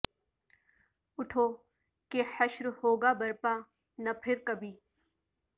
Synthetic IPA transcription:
ʊʈʰoː | keħɐʃɾhoːɡabɐɾpaː | nɐpʰɪɾkɐbʱiː

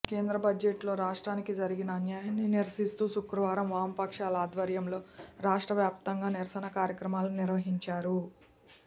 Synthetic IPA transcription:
ke̞ːnd̪ɾɐbɐd͡ʒeʈlo̞ːɾaːʂʈɾaːnikid͡ʒɐɾiɡinɐːnjaːjaːnniniɾɐsist̪uːsukɾɐʋaːɾɐmʋaːmɐpɐkʂaːlɐaːd̪ʋɐɾjɐmlo̞ːɾaːʂʈɾɐʋjaːp̚t̪ɐŋɡaːniɾɐsɐnɐkaːɾjɐkɾɐmaːluniɾʋɐɦiɲt͡ʃaːɾu

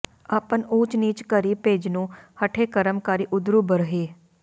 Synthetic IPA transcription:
aːpənuːt͡ʃniːt͡ʃkəɾiːpeːd͡ʒnũːhəʈʰeːkəɾəmkaːɾiːʔʊd̪ɾuːbəɾɦeː

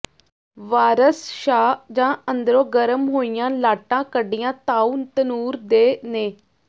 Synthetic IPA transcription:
ʋaːɾəsʃaːd͡ʒãːənd̪ɾõːɡəɾəmɦoːijãːlaːʈãːkəɖijãːt̪aːuːnt̪ənuːɾd̪eːneː

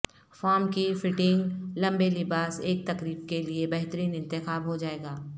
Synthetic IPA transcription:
faːɾmkifɪʈɪ̃ŋɡlɐ̃mbelɪbaːseːk̚t̪ɐkɾiːb̚keliebɐɦt̪əɾiːnɪ̃nt̪ɪxaːbɦod͡ʒaːeːɡaː

